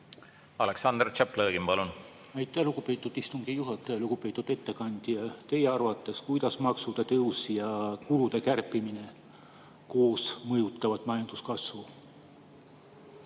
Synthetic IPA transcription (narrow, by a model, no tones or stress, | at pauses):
ɑleksɑnd̪rt͡ʃæplɤːɡimpɑlun | ɑjt̪ːˑæhluɡ̥upe̞ːt̪ːˑud̪̥ist̪uŋɡ̥ijuɦɑt̪ːˑejluɡ̥upe̞ːt̪ːˑud̪̥e̞t̪ːe̞kɑnd̪̥ijɑt̪e̞jeɑrvɑt̪ːˑe̞skujd̪̥ɑsmɑksud̪̥ɑt̪ɤwsijɑkulud̪̥e̞kærpːˑimine̞ | ko̞ːsmɤjut̪ːˑɑvɑd̪̥mɑjɑnd̪̥uskɑsvu